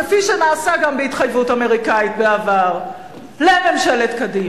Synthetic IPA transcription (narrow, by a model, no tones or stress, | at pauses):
efiʃenaːsaɡambeit̪χajvutame̞ʁikait̪̚beavaʁ | lememʃaletkadim